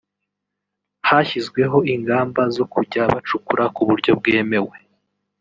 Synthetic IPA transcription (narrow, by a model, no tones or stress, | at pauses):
haçizɡwe̞ɦo̞iŋɡaːmbazo̞kuɟaβat͡ʃukuɾakuβuɾɟo̞b̚ɡe̞ːme̞we̞